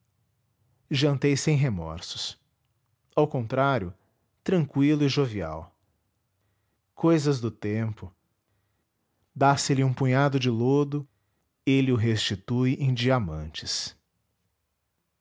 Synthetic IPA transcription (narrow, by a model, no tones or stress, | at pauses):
ʒɐ̃nt̪ejsẽj̃ɦemɔ̰ɾsʊ̥s | awkõnt̪ɾaɾjʊ | t̪ɾɐ̃ŋkwilʊɪʒovia̰w | kojzɐzd̪ʊt̪ẽmpʊ | d̪asɪlɪũpũɲad̪ʊd͡ʒɪlod̪ʊ | elɪʊɦest͡ʃit̪ujʔẽd͡ʒiamɐ̰̃nt͡ʃɪ̥s